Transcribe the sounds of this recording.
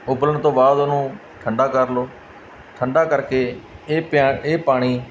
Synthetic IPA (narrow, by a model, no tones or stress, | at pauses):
ʊbləɳt̪õːbaːd̪ʊnũː | ʈʰəɳɖaːkəɾloː | ʈʰəɳɖaːkəɾkeːpːeːpaːɽ̃iː